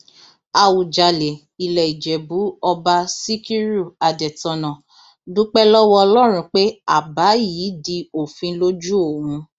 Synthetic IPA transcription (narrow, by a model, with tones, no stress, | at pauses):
a˧wu˨d͡ʒa˨le˨ | i˨lɛ˨i˨d͡ʒɛ˨bu˨˦ɔ˧ba˧si˦ki˦ɾu˦˨a˧dɛ˨tɔ̃˧nã˨ | dũ˦k͡pɛ˦lɔ˦wɔ˦ɔ˧lɔ˦ɾ̃ũ˧k͡pe˦a̰˦˨ba˨˦jiː˨˦di˧o˨fĩ˧lo˦d͡ʒu˦o˨wũ˧